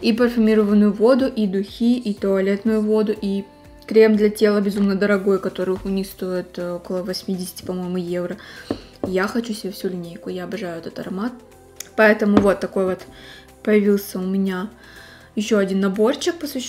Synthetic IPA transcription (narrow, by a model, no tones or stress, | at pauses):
ipəɾfʲʊmʲiɾəvənːʊjʊvo̞d̪ʊʔid̪ʊxʲiʔit̪əɐlʲet̪nʊjʊvo̞d̪ʊʔi | kɾʲemd̪lʲɐtʲe̞lˠəbʲɪzumnəd̪əɾɐɡo̞jkɐt̪o̞ɾɨxʊnʲixst̪o̞jɪt̪o̞kəlˠəvɐsʲmʲidʲɪsʲɪ̥tʲɪ̥pɐmo̞jɪmʊje̞vɾə | jaxɐt͡ɕusʲɪbʲefsʲulʲɪnʲejkʊjaɐbɐʐajʊɛt̪ət̪ɐɾɐmat̪̚ | pɐɛt̪əmʊvo̞t̪ːɐko̞jvo̞t̪ | pəjɪvʲilˠsʲəʊmʲɪnʲa | jɪɕːoɐdʲinːɐbo̞rɕɪk̚pəsvʲɪɕː